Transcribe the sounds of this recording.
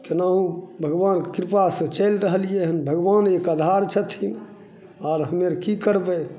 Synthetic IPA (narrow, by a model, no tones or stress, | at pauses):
kenaɦũbʱəɡʋankɾipasə̃t͡ʃəjlɾəɦəlijeɦənbʱəɡʋanekəd̪ʱaɾt͡ʃʰət̪ʰin | aːɾɦəmeɾkikəɾbɛ